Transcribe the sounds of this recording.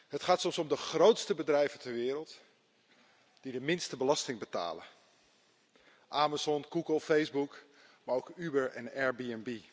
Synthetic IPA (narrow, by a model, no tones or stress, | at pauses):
ɦətχaːtsɔmsɔmdəχrowtstəbədrɛjvəntɛɹʋɪːɾəlˠt | d̥idəmɪnstəbəlɑstɪŋbəta̰ːlə̰ | ʔaːmazɔnɡuɡəlˠfejzbuk | maːɹowkybəɹɛ̰nɛɹbiɛnbi